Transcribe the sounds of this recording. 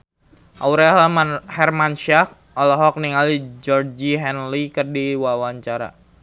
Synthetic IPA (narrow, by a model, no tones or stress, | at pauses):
ʔauɾɛhɛrmanʃiak̚ | ɔlɔɦɔk̚niŋalid͡ʒɔrd͡ʒiɦɛnlikərdiwawaɲt͡ʃaɾa̰